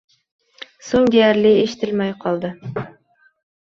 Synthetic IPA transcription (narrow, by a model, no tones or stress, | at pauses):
soŋd̪ʲeæɾlɪeʃɪ̥t̪ʰɪlmæjqʰɒlˠd̪ɪ